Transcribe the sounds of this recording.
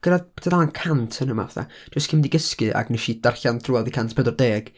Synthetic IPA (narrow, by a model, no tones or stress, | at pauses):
ɡ̥əɾaðpʰɛ̥tʰadðalˠankʰantʰənəma̰vɛθa̰ | d̥əskʰɪmdiɡəskɨʔa̰ɡnɛʃid̥arɬanθruɛlˠdikʰantʰpʰɛdɔrdeːɡ̥